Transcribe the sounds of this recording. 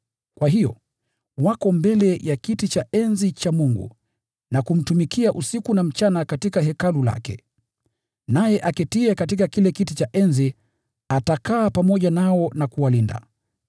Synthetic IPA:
kwaɦijɔ̰ | wakɔmbɛlɛjakitit͡ʃaʔɛnzit͡ʃamuŋɡṵ | nakum̩tumikiaʔusikunam̩t͡ʃanakatikaɦɛkalula̰kɛ̰ | najɛʔakɛtiɛkatikakilɛkitit͡ʃaʔɛnzi | atakaːpamɔʄanaɔnakuwalinda̰

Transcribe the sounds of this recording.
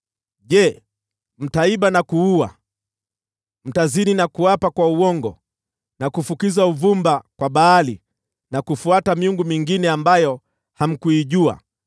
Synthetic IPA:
ʄɛ | m̩taiɓanakuua̰ | m̩tazininakuapakwauwɔŋɡɔ | nakufukizauvumbakwaɓaːli | nakufuatamiuŋɡumiŋɡinɛambajɔ | ham̩kuiʄua̰

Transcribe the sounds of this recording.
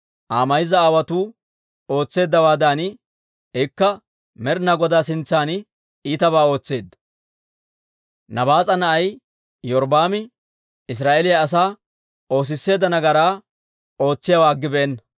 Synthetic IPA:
ʔaːmɐjɪzɐaːwɐt̪uː | o̞ːt͡sːe̞ːd̪ːɐwaːd̪aːn | ɛkːɐ | mɛɾnɐɡɔd̪aːsɪnt͡sːaːn | iːt̪ɐβaːo̞ːt͡sːe̞ːd̪ɐ | nɐbaːt͡sʼɐnɐʔɐj | jɔɾbaːmɪ | ɪs̬ɾaːʔelɪjɐːs̬aː | o̞ːs̬ɪsːe̞ːd̪ːɐnɐɡɐɾaː | o̞ːt͡sːɪjawaːɡːɪbeːnːɐ

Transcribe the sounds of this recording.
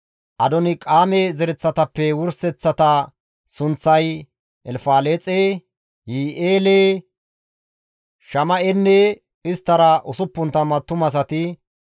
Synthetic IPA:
ʔɐd̪ɔnɪkʼaːmezɛɾɛt͡sːɐt̪ɐpːɛwʊɾsɛt͡sːɐt̪ɐ | sʊnt͡sːɐj | ʔɛlfaːleːt͡sʼeː | jiːʔeːleː | ʃɐmɐʔɛnːɛ | ɪst̪ːɐɾɐʔʊsʊpːʊnt̪ɐmɐt̪ːʊmɐs̬ɐt̪ɪ

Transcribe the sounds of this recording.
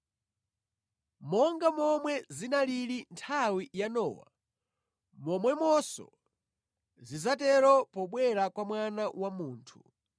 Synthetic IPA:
mɔŋɡamɔmwɛzinaliɾintʰawijanɔ̰ːwa̰ | mɔmwɛmɔsɔ̰ | zizatɛɾɔpɔɓwɛɾakwamwanawamuːntʰu̥

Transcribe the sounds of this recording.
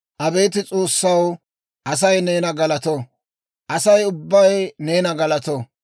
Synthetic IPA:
ʔɐbe̞ːt̪ɪt͡sʼoːsːɐw | ʔɐsɐjneːnɐɡɐlɐt̪o | ʔɐsɐjʊbːɐjneːnɐɡɐlɐt̪o

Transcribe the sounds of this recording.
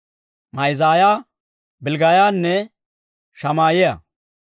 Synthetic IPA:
mɐjzaːjaː | bɪlɡaːjaːnːɛ | ʃɐmaːjɛjɐ̰

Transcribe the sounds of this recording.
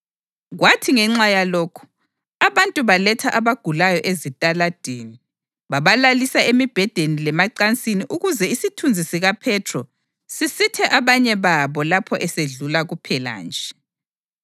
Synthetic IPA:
ɣwatʰiŋɛŋ͡ǁajaloːkʰu̥ | aβantʼuβalɛtʰaʔaβaɡ̥ʱulajɔʔezitʼalad̥ʱeni | βaβalalisaemib̥ʱɛd̥ʱenilɛmaǀant͡sʼiniʔuɣuzɛisitʰund͡zʱisiɣapʰɛtʰrɔ | sisitʰɛʔaβaɲɛβaβɔlapʰɔʔɛseɮulaɣupʰɛla̰ːnd͡ʒʱɛ

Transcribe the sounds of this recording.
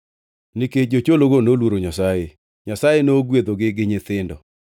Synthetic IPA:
niked͡ʒot͡ʃoloɡonolwoɾoɲasaje | ɲasajenoːɡwed̪oɡɪɡɪɲɪt̪ɪndɔ̰

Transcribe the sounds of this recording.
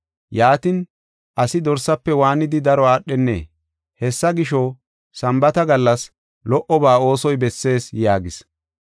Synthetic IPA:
jaːt̪ɪn | ʔɐsɪd̪ɔɾsɐpːɛwaːnɪd̪ɪd̪ɐɾɔaːɗːɛnːḛː | hɛsːɐɡɪʃɔ | sɐmbɐt̪ɐɡɐlːɐs | lɔʔɔbaːo̞ːsɔjbɛsːe̞ːsjaːɡɪs

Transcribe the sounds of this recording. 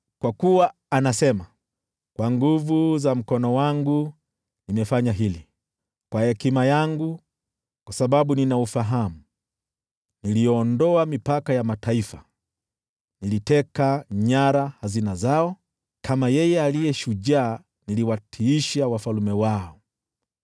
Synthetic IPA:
kwakuwa | anasɛma | kwaŋɡuvuzam̩kɔnɔwaŋɡu | nimɛfaɲaɦili | kwahɛkimajaŋɡu | kwasaɓaɓuninaufaɦamu | nilijɔːndɔamipakajamataifa | nilitɛkaɲaɾahazinazaɔ | kʰamajɛjɛalijɛʃuʄaː | niliwatʰiiʃawafalumɛwaɔ

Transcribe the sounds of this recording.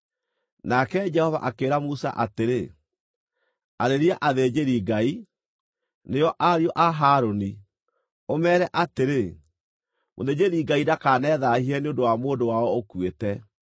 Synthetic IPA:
nakɛd͡ʒɛhɔva̰ʔakeːɾamusa̰ʔateɾe | aɾeɾiaʔaðed͡ʑeɾiɡai | nejɔʔaɾjɔʔaɦaːɾoni | omɛːɾɛʔateɾe | mo̰ðed͡ʑeɾiɡaidakaːnɛðahiɛneondowamoːndowaɔokwetɛ

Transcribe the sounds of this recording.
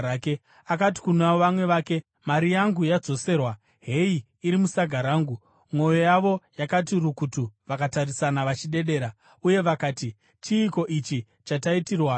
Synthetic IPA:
ke | akat̬i̥kunaoʋamwe̞ʋaːke̞ | maɾijaŋɡujad͡zo̞se̞ːrwa | ɦe̞iː | ɾimusaɡʱaɾaːŋɡu | mwo̞jo̞jaʋo̞jakat̬irukutuʋakatarisanaʋat͡ʃiɗe̞ɗe̞ːɾa | uje̞ʋakaːti | t͡ʃiːko̞ʔit͡ʃi | t͡ʃataitirwa

